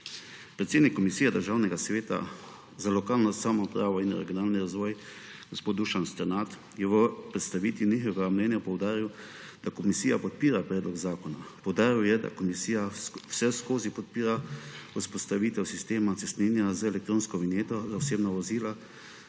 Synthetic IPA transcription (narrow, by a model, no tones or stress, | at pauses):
pɾɛt̪seːd̪nikːɔmisiːjɛd̪əɾʒawnɛɡasʋeːt̪a̰ | zalɔkaːlnɔsaːmɔpɾaːʋɔinɾɛ̰ɡjɔnaːlniɾazʋɔːjɡ̥ɔspoːd̪d̪uʃanst̪ɛɾnat̪ | jɛʋəpɾɛt̪st̪aʋiːt̪ʋinixɔʋɛɡamlɛnjapɔwd̪aːɾiw | d̪̥akɔmisiːjapɔt̪̚piːɾapɾɛːd̪lɔɡzaːkɔna̰pɔwd̪aːɾiwjɛd̪a̰kɔmisijawsɛskoːzipɔt̪̚piːɾauspɔst̪aʋiːt̪ɛwsist̪eːmat̪sɛst̪ninjazəɛlɛkt̪ɾoːnskɔʋinjeːt̪ɔzaɔseːbnɔʋɔziːla